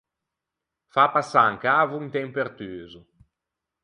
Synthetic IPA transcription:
fapasaaŋkaːvuŋt̪ɛmpeɾt̪yːzu

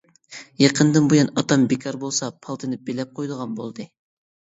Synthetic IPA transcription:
jɑqʰənd̪ɨnbujɑnɑt̪ɑmbekʲʰɑɾbolˠsɑpʰɑlˠt̪ʰɨnɨb̥elɛp̚qʰojd̪əʁɑnbolˠd̪ɨ

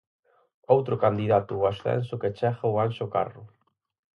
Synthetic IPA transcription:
owt̪ɾʊkand̪iðat̪ʊwasθɛ̰nsʊket͡ʃɛɣauansoka̰rʊ

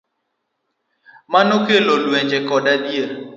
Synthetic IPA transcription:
manokelolweɲd͡ʒekɔdadjeɾ

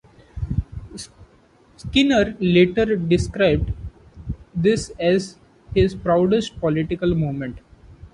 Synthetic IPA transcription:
skɪnəɾleːʈəɾɖɪskɾaɪb̚ɖ | d̪ɪsɛz | hɪzpɾaʊɖesʈ̚pɔlɪʈɪkəlmoːmẽɳʈ

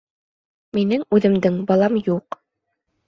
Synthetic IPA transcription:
minɘŋʉðɘ̆md̪ɘŋbɑlˠɑmjuq

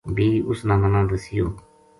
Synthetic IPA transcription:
biːʊsnãːmənãːd̪əsɪjoː

